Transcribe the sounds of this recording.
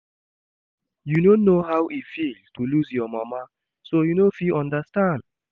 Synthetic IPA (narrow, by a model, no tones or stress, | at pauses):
junonːoɦawʔifilstʰuluzjɔmama | sojunofiʔɔ̃ndəstãnd̥